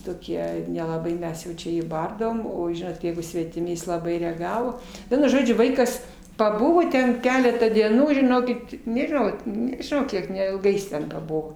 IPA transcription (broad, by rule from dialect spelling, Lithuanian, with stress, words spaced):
toːˈkʲiɛ nʲɛlˠɐˈbɐɪ ˈmʲɛs jɛʊ ˈt͡ʃʲɛ ˈjiː ˈbɐrdɐʋoːm oː ˈʒʲɪnoːt ˈjɛɪɡʊ sʲʋʲɛtʲɪˈmʲɪ ˈjɪs lˠɐˈbɐɪ rʲɛɐˈɡɑːʋoː ˈʋʲiɛnʊ ˈʒoːd͡ʒʲʊ ˈʋɐɪkɐs pɐˈbʊʋoː ˈtʲɛn ˈkʲæːlʲɛtɑː dʲiɛˈnuː ʒʲɪˈnoːkʲɪt nʲɛʒʲɪˈnɐʊ nʲɛʒʲɪˈnɐʊ ˈkʲiɛk nʲɛɪlˠˈɡɐɪ jɪs tʲɛn pɐˈbʊʋoː